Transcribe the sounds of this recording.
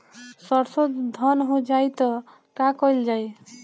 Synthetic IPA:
sʌɾsəd̪d̪ʱʌnɦod͡ʒajt̪ʌ | kakʌjld͡ʒaj

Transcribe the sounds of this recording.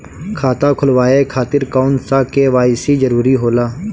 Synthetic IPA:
kʰaːt̪akʰʊlʋaːekʰaːt̪ɪɾkaːʊnsakeʋaːɪsid͡ʒəɾuːɾiɦoːlaː

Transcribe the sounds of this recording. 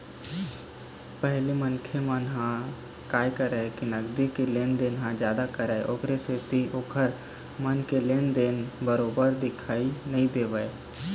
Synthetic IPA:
pəɦlimənkʰemənɦã | kaːjkəɾəkinəɡd̪ikeleːnd̪enɦãd͡ʒjaːd̪akəɾəeʔoːkɾeset̪iʔoːkʰəɾ | mənkeleːnd̪eːnbəɾoːbəɾd̪ɪkʰaːinəɦĩd̪eːʋəe

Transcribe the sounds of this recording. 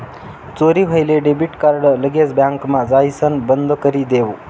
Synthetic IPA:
t͡soɾiɦəjleɖebiʈkaɾɽələɡet͡sbjaŋkmad͡zajsənbənd̪ʱokəɾid̪eʋ

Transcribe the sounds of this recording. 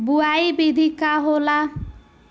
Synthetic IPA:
buajbid̪ʱikaɦola

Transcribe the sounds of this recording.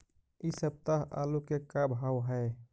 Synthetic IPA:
isəb̚t̪aɦa̰lukekabʱawɦəe

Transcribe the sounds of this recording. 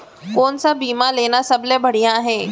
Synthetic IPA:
koːnsabiːmaleːnasɐblẽbʱɐɽ̤ijãɦɛ̃ː

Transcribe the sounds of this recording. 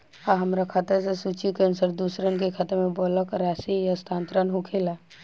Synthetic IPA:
aɦəmɾakʰat̪əɾsesut͡ʃjukeənsəɾd̪uːsɾənkekʰət̪əmẽbɔːləkɾaːsijast̪ʰãːnt̪ɾənɦukʰela

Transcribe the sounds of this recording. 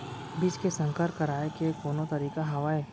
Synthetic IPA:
bɪskesə̃ŋkəɾkɐɾaːekekoːnot̪ɐɾiːkaɦɐʋaːeː

